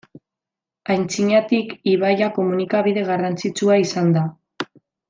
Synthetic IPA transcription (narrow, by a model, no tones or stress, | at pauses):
ajnt͡siɲat̪ikiβajako̞munikaβiðe̞ɣarant͡sit͡suaisand̪a